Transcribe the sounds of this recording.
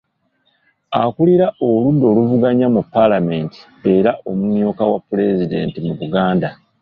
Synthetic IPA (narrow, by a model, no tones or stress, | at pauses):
akuliɾaʔoludːo̞ːluvuɡaɲamupːalame̞ːnti̥ | e̞ɾaʔo̞mumjo̞ːkawapːule̞zide̞̰ːntimuβuɡaːnda